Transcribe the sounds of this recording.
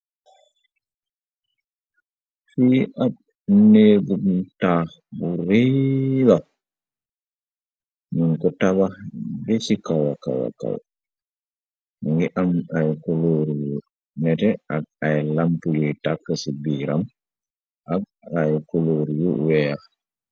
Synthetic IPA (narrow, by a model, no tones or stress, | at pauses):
fiʔaɓ | neːɡumta | buɾɛla | munkɔtababɛsikawaka̰wa̰ka̰w | ŋɡɛʔamajkoloɾiju | nɛtɛʔaɡ̚ajlampud͡ʒɔjtakːasibiːɾam | ʔaɡ | ajkoloːɾijuwɛja